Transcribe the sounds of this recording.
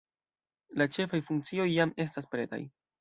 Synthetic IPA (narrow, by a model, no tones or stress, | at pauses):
lat͡ʃe̞fajfuŋk̚t͡sio̞jːame̞staspɾe̞ta̰j